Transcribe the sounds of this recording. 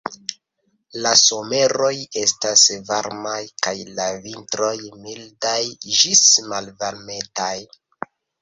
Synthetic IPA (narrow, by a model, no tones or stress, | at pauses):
laso̞me̞ɾo̞je̞stasvaɾmajkajlavintɾo̞jmildajd͡ʒismalvalme̞taj